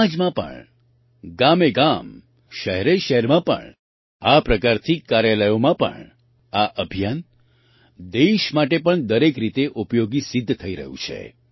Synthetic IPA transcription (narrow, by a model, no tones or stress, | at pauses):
ad͡ʒmãpə̰ɳ | ɡameɡam | ʃəɦɛɾeʃəɦɛɾmãpə̰ɳ | apɾəkaɾt̪ʰikaɾjaləjomãpə̰ɳ | aʔəbʱijan | d̪eʃmaʈepəɳd̪əɾekɾit̪eʔupjoɡisɪd̪ʱːt̪ʰəiɾə̰ɦṵ̃t͡ʃʰḛ